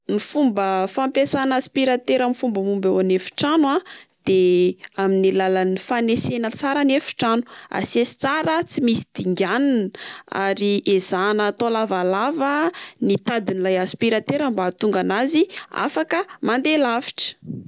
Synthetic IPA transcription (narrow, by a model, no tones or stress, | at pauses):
nifumbəfampesanaspiɾat̪eɾamifumbəmumbewanefi̥ʈ͡ʂanwad̪̥eaminilalənifanesenət͡saɾanefi̥ʈ͡ʂanu̥a̰sesi̥t͡saɾət͡simisi̥d̪̥iŋɡʲanina̰ɾiʔez̥anət̪olavalavənit̪ad̪inilajaspiɾat̪eɾambaːt̪uŋɡanazia̰fakəmand̪elafi̥ʈ͡ʂə̥